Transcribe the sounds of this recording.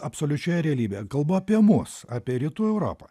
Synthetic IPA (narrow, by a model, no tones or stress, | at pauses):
ɐpsoːlʲʊt͡ʃʲoːjɛɾʲɛɐlʲiːbʲekɐlˠboɐpʲiɛmʊsaːpʲiɛɾʲɪt̪uːɛʊɾo̰ːpɐ̰